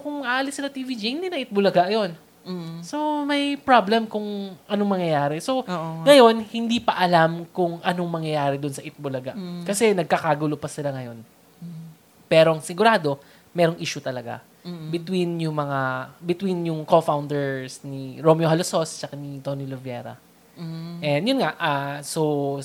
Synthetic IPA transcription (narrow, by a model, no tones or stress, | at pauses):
kʊŋaʔɐlɪsɪlɐt̪iːvid͡ʒihɪnd̪iːnɐɪt̪̚bʊlɐɡaʔɐjo̞n | so̞mɐjpɹablɛmkʊŋʔɐnoŋmɐŋjɐjaːɾɛsoŋɐjo̞nhɪnd̪ipɐʔɐlamkʊŋʔɐnoŋmɐŋjɐjaːɾɛd̪ʊnsɐʔɪt̪̚bolɐɡa̰ʔkɐsɛnɐɡ̚kɐkaɡulopɐsɪlaŋɐjo̞n | pɛːɾoʔɐŋsɪɡʊɾaːd̪o̞ | mɛːɾo̞ŋʔiːʃʊt̪ɐlɐɡa̰ | bɪt̪winjʊŋmɐŋabɪt̪winjʊŋko̞fawnd̪ɛɹsniɹomjohɐloso̞st͡ʃɐkanit̪o̞nilovjɛ̰ɾɐ̰ | ʔɛnd̪jʊnŋaʔaso